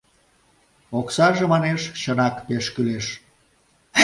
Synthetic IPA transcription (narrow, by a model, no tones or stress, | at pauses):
oksɑʒemɑneʃt͡ɕənɑkpeʃkyleʃ